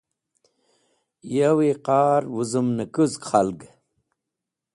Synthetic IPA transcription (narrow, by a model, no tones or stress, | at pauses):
jawiqaːɾwuzumnəkuzkχalɡ